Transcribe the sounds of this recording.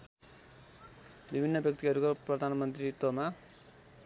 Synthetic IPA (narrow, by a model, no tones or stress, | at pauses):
bibʱinːʌbjʌk̚t̪iɦʌɾukoprʌd̪ʱanmʌnt̪rit̪oma